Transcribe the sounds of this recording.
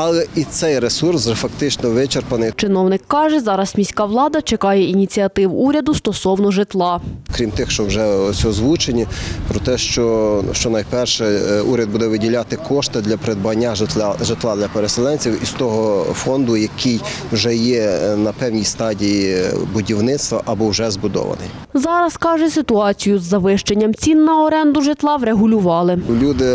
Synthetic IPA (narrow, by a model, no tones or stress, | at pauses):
ɐlˠɛit̪sɛjɾesursʒɛfɐkt̪ɪt͡ʃnɔʋɪt͡ʃerpɐnɪjt͡ʃɪnɔwnɪkːɑʒɛzɑɾɐsmʲisʲkɑʋlˠɑd̪ɐt͡ʃekɑjɛinʲit͡sʲiɐt̪ɪwuɾʲɐd̪ʊst̪ɔsɔwnɔʒɪt̪lˠɑkɾʲimt̪ɪxʃt͡ʃɔwʒɛɔsʲɔɔzʋut͡ʃenʲipɾɔt̪ɛʃt͡ʃɔʃt͡ʃɔnɐjpɛrʃɛuɾʲɐd̪̚bud̪ɛʋɪdʲilʲat̪ɪkʰɔʃt̪ɪd̪lʲɐpɾed̪̚bʊɐnʲːaʒt̪ʒet̪lˠɑd̪lʲɐpeɾeselˠɛnʲt͡sʲiwist̪ɔɦɔfɔnd̪ʊjɐkʰɪjwʒɛjɛnɐpɛwnʲijst̪ɑdʲijibʊdʲiwnɪt̪st̪ʋɐʔɐbɔwʒɛzbʊd̪ɔ̰ʋɐ̰nɪ̰j | zɑɾɐskɑʒɛsɪt̪ʊɑt͡sʲijʊzːɐʋɪʃt͡ʃenʲːɐmt͡sʲinːɐɔɾɛnd̪ʊʒɪt̪lˠɑʋɾeɦʊlʲʊʋɑlˠɪlʲud̪ɪ